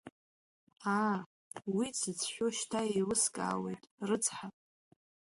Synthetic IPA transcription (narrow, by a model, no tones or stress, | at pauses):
a | wit͡sʰɨt͡sʰħʷᶣoʃtʰailɨskʼa̰ːwe̞̰jtʼrɨt͡sʰʼħapʼ